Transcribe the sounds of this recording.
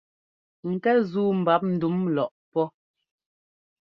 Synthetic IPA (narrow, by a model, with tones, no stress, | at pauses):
ŋ̩˨kɛ˦zuː˦m̩˨ba˨˦p̚n̩˨du˨˦mlɔ˨ʔpɔ˦